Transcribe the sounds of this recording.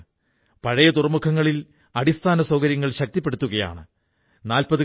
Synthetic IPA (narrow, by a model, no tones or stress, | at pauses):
pɐɻɐjɐd̪urɐmukʰɐŋːɐɭil | ɐɽist̪ʰaːnɐsoːɣɐɾjɐŋːɐɭɕɐk̚t̪ipːe̞ɽut̪ːuɣɐja̰ːɳɨ | naːlpɐðɨ